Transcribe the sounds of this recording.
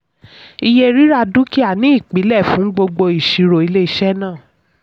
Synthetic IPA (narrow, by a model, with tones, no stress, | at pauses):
i˧je˧ɾi˦ɾa˧du˦ki˦a˦˨nĩ˨˦i˦˨k͡pi˨˦lɛ˦˨fũ˦ɡ͡bo˧ɡ͡bo˧i˨ʃi˨˧ɾo˨i˧le˦i˦ʃɛ˦nãː˦˨